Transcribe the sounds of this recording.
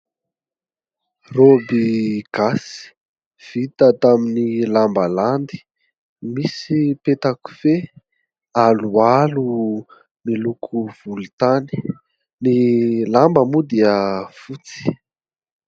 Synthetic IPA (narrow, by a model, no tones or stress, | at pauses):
robiɡ̥asi̥ | v̥it̪ət̪aminilambəland̪i̥ | misipet̪aku̥fe | alualu | milukʰuv̥ult̪ani̥ | nilambəmud̪iəfut͡si̥